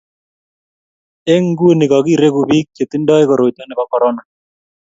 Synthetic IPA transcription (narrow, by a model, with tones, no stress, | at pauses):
ɛ˦ŋɡu˦e˦˨nɪ˨kɔ˨ki˦˨ɾe˦ku˨bi˦k̚t͡ʃe˨t̪ɪ˦ndɔ˦ɪ˦kɔ˨ɾo˨tnɔ˦nɪ˨ba˨˦kɔ˨ɾɔ˦na˨